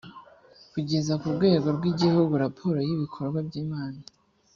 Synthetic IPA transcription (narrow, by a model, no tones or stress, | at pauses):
kuɟe̞zakuɾɡwe̞ːɡo̞ɾɡwiɟihuɡuɾapʰo̞ːɾo̞jiβikʰo̞ɾɡwabɟiːmaːna